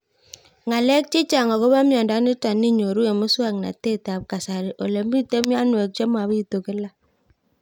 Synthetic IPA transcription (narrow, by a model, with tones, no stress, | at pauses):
ŋa˨lɛ˦k̚t͡ʃi˦t͡ʃa˨ŋɔ˨ko˦βa˦mjɔ˨nda˨˦ni˦ta˨ni˦ɲo˨ɾu˦e˨mʊ˦swa˦˨kna̰˨te˦ta˨p̚ka˨sa˨ɾi˨ʔo˨le˨mbi˦te˦mja˦nwɛ˨k̚t͡ʃɔ˦ma˨βi˦i˨to˨kɪ˦la˦